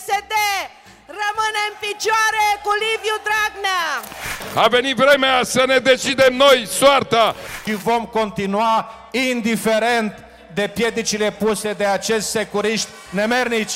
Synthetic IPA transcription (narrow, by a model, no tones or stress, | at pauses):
sed̪e | rəmɨneɨmfit͡ʃoaɾekulivjud̪ɾaɡna | ave̞nit̪vɾe̞measəne̞d̪e̞t͡ʃid̪e̞mno̞jsoart̪aʃivo̞mko̞nt̪inua | ind̪ife̞ɾe̞nt̪ | d̪e̞pje̞d̪it͡ʃile̞puse̞d̪e̞at͡ʃe̞st̪se̞kuɾiʃt̪ʲ | ne̞mernit͡ʃʲ